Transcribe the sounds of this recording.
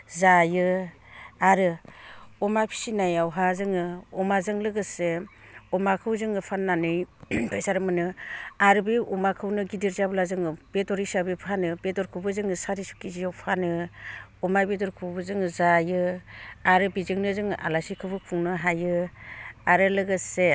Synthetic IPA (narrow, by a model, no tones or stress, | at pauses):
zajɯ | aɾɯ | ɔmapʰi̥sinajawɦazɯŋɯɔmazɯŋlɯɡɯseɔmakʰɯwzɯŋɯpʰanːanɯjbʰajsaɾɯmɯnɯaɾɯbiʔɔmakʰɯwnɯɡidiɾzablazɯŋɯb̥edɔɾisabepʰanɯbedɔɾkʰɯbɯzɯŋɯsaɾisu̥kizijawpʰanɯɔmajbedɔɾkʰɯbɯzɯŋɯzajɯaɾɯbizɯŋnɯzɯŋɯʔa̰lasikʰɯbɯkʰuŋnɯɦajɯ | aɾɯlɯɡɯse